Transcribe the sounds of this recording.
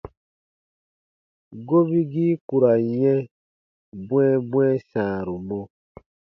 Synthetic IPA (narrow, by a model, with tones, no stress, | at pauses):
ɡo˦bi˦ɡi˦ku˨ɾa˨jɛ̃˦ | bw̃ɛ̃˦bw̃ɛ̃˦sãː˨ɾu˨mɔ˦